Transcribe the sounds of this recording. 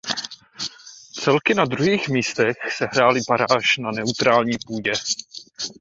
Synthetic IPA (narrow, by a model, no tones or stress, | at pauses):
t͡sɛlkɪnad̪ɾuɦiːxmiːst̪ɛxsɛɦɾaːlɪbaɾaːʃnanɛut̪ɾaːlɲiːpuːɟɛ